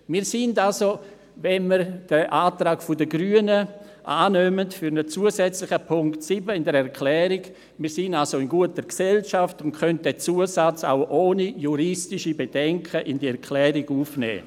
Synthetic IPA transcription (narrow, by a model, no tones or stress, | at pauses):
miːɾsɪndalso | vɛnməɾd̥əʔaːtɾaːkfʊdəɡɾyənə | ʔaːnøːməntfyɾnət͡suəsɛt͡slɪxəpʰʊŋktsibəɪndəɾɛʁkʰlɛːɾɪɡ | miːsɪnalsoɪnɡuətəɾksɛlʃaftʊntkʰœnt̚dɛt͡suəsat͡sa̰ʊʔoːnijuɾɪstɪʃibed̥ɛŋkʰəʔɪndiɛʁkʰlɛːɾiɡuːfnɛ̰ː